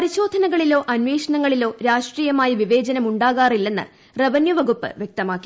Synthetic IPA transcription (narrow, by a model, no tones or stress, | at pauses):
ɐɾiɕo̞ːd̪ʱɐnɐɣɐɭilo̞ːʔɐnʋeːʂɐɳɐŋːɐɭilo̞ːɾaːʂʈriːjɐmaːjɐʋiʋe̞ːd͡ʑɐnɐmuɳɖaːɣaːrilːe̞nːɨ̰ | rɐʋɐnjɐʋɐɣupːɨ̰ʋjek̚t̪ɐmaːkːi